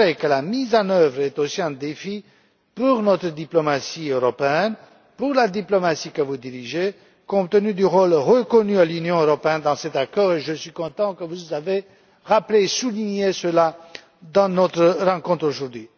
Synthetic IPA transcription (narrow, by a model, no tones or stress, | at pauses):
ʁɛkəlamizɑ̃nœvʁɛt̪osiɛ̃d̪efi | puʁnɔt̪χəd̪iplɔmasiøʁɔpeɛn | puʁlad̪iplɔmasikəvud̪iʁiʒe | kɔ̃p̚t̪ənyd̪yʁolʁəkɔnyalynjɔ̃øʁɔpeɛnd̪ɑ̃sɛt̪akɔːʁeʒəsɥikɔ̃t̪ɑ̃kəvuzave | ʁapleːsuliɲesəla | d̪ɑ̃nɔt̪χəʁɑ̃kɔ̃t̪χoʒuʁd̪ɥi